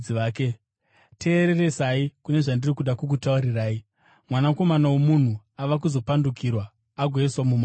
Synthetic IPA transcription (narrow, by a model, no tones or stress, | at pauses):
iaːke | tʰe̞ːɾe̞re̞saikune̞ʐandirikuɗakuk̬utauɾiraːi | mwanako̞manawomun̤u | aʋak̬uzo̞pandukʰirwaː | ɡʱweswamuma